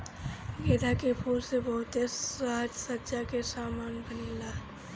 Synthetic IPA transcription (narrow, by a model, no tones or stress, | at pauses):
ɡeːd̪akepʰuːlsebɐɦʊt̪eaːd͡ʒsətːʃakesaːmaːnbʱənla